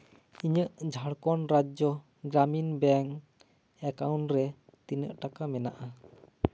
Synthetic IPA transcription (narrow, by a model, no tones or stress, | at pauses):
iɲəʔd͡ʒʱaɽkɔnɾad͡ʒɔ | ɡɾaminbɛŋ | ɛkawnɾɛt̪inəʔʈakamɛna̰ʔa